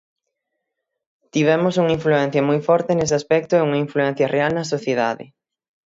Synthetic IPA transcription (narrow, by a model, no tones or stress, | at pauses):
t̪iβ̞ɛmʊsuŋiɱfluɛn̟θjɐmɔjfɔɾt̪eneseaspɛk̚t̪ʊɛuŋɐiɱfluɛn̟θjɐrʔealnɐsoθjeða̰ðɪ̰